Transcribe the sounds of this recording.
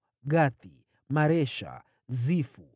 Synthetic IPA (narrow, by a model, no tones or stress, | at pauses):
ɠaθi | maɾɛʃa̰ | zifu